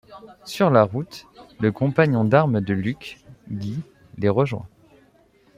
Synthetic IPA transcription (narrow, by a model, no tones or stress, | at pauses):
syʁlaʁut̪ləkɔ̃paɲɔ̃d̪aʁməd̪əlykɡi | leʁəʒwɛ̰̃